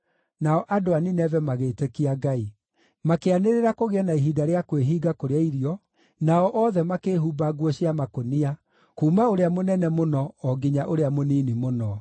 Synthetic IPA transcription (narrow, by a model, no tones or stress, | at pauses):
naɔʔadoaninɛvɛmaɣeːtekiaɡai | makeaneɾeɾakoɣeɛnaiɦidaɾeakweɦiːɡakoɾeaiɾiɔ | naɔʔɔðɛmakeːɦubaɡwɔɕiamakonia | kuːmaoɾeamonɛnɛmonɔɔɡiɲaʔoɾeamoninimonɔ